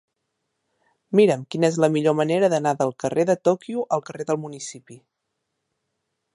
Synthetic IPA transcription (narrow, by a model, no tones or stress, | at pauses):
miɾəmkinəezləmiʎoməneɾəðənaðəlˠkəreðət̪okiuʔəlˠkəreðəlˠmunisipi